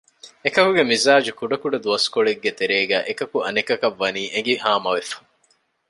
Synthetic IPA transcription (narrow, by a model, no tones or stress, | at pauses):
ekɐkuɡemizaːd͡ʒukuɖɐkuɖɐd̪uɐskoɭeɡːet̪eɾeːɡæːʔekɐkuʔɐnikɐkɐʋːɐniːʔeŋɡihaːmɐʋefɐ̥